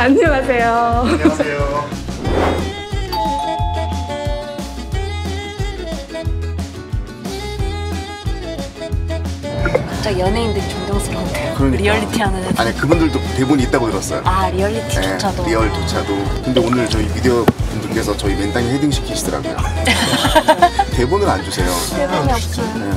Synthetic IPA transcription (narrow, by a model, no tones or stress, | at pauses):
aɲːʌŋasʰe̞jo | jo | kat͡ɕ͈ajʌnɦeindɯɾit͡ɕoŋdʌŋsʰɯɾʌmdeokɯɾʌɲiɾiʌɭːitʰiananaaɲikɯbundɯɭdote̞boniit̚t͈aɡotɯɾʌs͈ʌjo̰aɾiʌɭːitʰiet͡ɕʰadoɾiʌɭtot͡ɕʰadokɯnde̞onɯɭt͡ɕʌiwideobundɯɭk͈e̞sʰʌt͡ɕʌime̞ndaŋiɸediŋɕʰi̥kʰiɕʰidɯɾa̰ɡojo̰ | te̞bunɯɾand͡ʑusʰe̞joeboɲiʌt͡ɕ͈ʰi | e